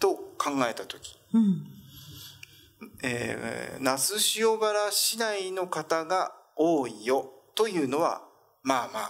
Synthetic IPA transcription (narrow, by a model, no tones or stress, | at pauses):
t̪o̞kʰãŋɡae̞t̪at̪o̞kʲi̥ | ḛːnasɨɕio̞baɾaɕinaino̞kat̪aɡao̞ːijo̞t̪o̞jɯ̟ːno̞βa̰ | maːmaː